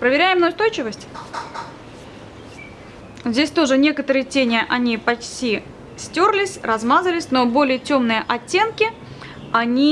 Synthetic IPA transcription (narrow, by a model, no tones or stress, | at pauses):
pɾəvʲɪɾʲæjɪmnojʊst̪o̞jt͡ɕɪvəsʲtʲ | zʲdʲesʲt̪o̞ʐɨnʲe̞kət̪əɾɨjətʲenʲɪʔɐnʲipɐt͡ɕtʲi | sʲtʲorlʲɪsʲrɐzmazəlʲɪsʲno̞bo̞lʲɪjətʲo̞mnɨjəʔɐtʲːe̞nkʲɪ | ɐnʲi